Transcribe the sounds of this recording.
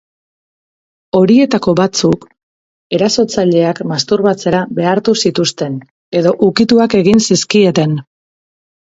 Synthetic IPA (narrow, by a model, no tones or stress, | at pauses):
o̞ɾie̞t̪ako̞βat͡suk | e̞ɾaso̞t͡saʎe̞akmast̪uɾβat͡se̞ɾaβe̞aɾt̪usit̪ust̪e̞n | e̞ðo̞ʔukit̪uake̞ɣinsiskie̞t̪e̞n